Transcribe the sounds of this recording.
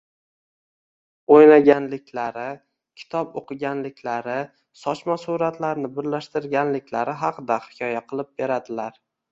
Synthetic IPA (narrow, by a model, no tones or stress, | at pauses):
ojlaɡʲanlɪkʲlaɾɪ | kʲʰɪ̥t̪ʰɒpoqɨɡʲanlɪkʲʰlaɾɪ | sɒt͡ʃmasuɾat̪laɾnɪbɪɾlaʃt̪ɪɾɡʲanlɪkʲlaɾɪɦɑqɨd̪ahɪ̥kʲʰɒjaqʰɨlˠɪp̚be̞ɾad̪ɪlaɾ